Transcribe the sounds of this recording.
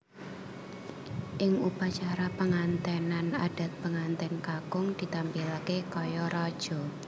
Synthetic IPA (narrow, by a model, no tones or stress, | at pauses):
ʔɪŋupat͡ʃaɾapəŋant̪ɛnanad̥a̤t̪̚pəŋant̪ɛnkakʊŋd̪̥i̤t̪ampilakekɔjɔɾɔd̥ʒ̥ɔ̤